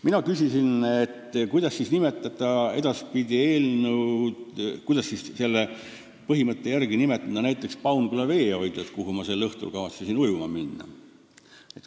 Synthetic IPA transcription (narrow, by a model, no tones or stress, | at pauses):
minɑkysʲisinet̪ːkujd̪̥ɑsːisnime̞t̪ːˑɑd̪̥ɑe̞d̪ɑspid̪̥ʲie̞ːlnud̪kujd̪̥ɑsːisse̞lːe | pɤɦimɤt̪ːe̞jærɡinime̞t̪ːˑɑd̪ɑnæjt̪ˑːe̞kspɑwnɡulɑve̞ːo̞jd̪et̪kuɦumɑse̞lːɤht̪ṵlkɑvɑt̪sisinujumɑminːɑ̰ | et̪